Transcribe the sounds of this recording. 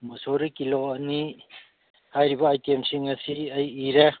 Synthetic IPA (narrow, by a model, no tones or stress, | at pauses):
mɐsoɾikiloɐni | hajɾibɐajtiemsiŋɐsiɐjːɾe